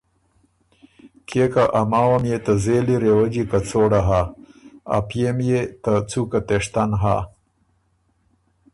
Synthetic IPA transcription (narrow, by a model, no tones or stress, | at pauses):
kʰekaʔamaːwɐmjet̪ɐzeliɾewɐd͡ʒikat͡soːɽaɦa | a̰pjemjet̪at͡sukat̪eʂt̪anɦa̰